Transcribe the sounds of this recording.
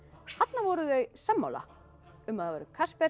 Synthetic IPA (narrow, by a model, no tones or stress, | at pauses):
hat̪navɔɾʏðœɥsamːa̰wla̰ | ʏmaðavɛːɾʏkʰaspɛ